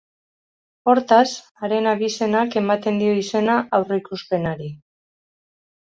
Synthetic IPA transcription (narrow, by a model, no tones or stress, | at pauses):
o̞ɾt̪as | aɾe̞naβise̞nake̞mat̪e̞nd̪io̞ise̞naʔawroikuspe̞naɾi